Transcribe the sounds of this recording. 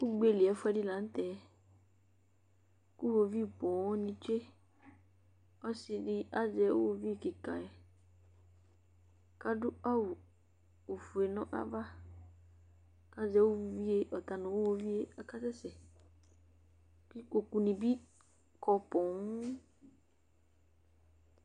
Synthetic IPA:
ku˦ɡ͡be˦˨li˨ɛ˨˦fu˦ɛ˦di˦lã˨˦n̩˦tɛ˨˦ | ku˦wo˦vi˦˨pɔ̃˨˦ɔ˦nĩ˧t͡ʃe˦ | ɔ˦si˦di˦a˦d͡ʒɛ˨wo̰˦wo˦vi˦e˨ki˨ka̰˨ɛ˨ | ka˨dʊ˦a˦wu˨ | o˨fu˨e˨nʊ̃˦ʔa̰˦va˦ | ka˦d͡ʒɛ˨˦wo˦wi˦vi˦e˨ʔɔ˨ta˨nʊ̃˨wo˦wo˦vi˦e˦a˨ka˦sɛ˦sɛ˨ | ki˦ko˨ku˨nĩ˨bi˦ | kʰɔ˨pɔ̃˨ŋ

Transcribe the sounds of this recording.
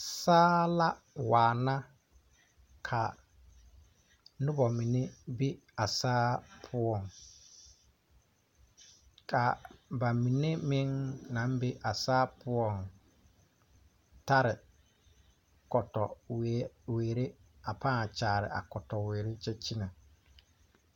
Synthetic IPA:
saː˦la˦ | waː˨na˦ | kʰa˨ | nʊ˦bɔ˨mi˨ne˦be˦a˨saː˦pʰʊ˦ɔ˦˨ŋ | kʰa˨ba˨mi˨ne˦mɪ̃˦ŋnã˨˦m˦be˦ʔa˨saː˦pʊ˦ɔ˦ŋ | ta˦ɾɪ˨ | kɔ˨tɔ˨we˨weː˨ɾe˦a˨pãː˦˨t͡ʃaː˨ɾɪ̰˨ʔa̰˨kɔ˨tɔ˨weː˨ɾe˦t͡ʃɛ˦t͡ʃi˦na˨

